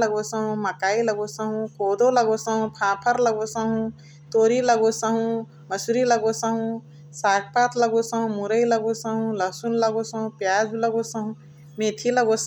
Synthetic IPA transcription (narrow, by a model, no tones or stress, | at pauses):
ləɡosəɦũməkaːiləɡosəɦũkoːd̪oləɡosəɦũpʰãːpʰəɾləɡosəɦũ | t̪oːɾiləɡosəɦũ | məsuɾiləɡosəɦũ | saːkʰpaːt̪ləɡosəɦũmuɾəiləɡosəɦũləsunləɡosəɦũpjaːd͡ʒləɡosəɦũ | meːt̪ʰiləɡos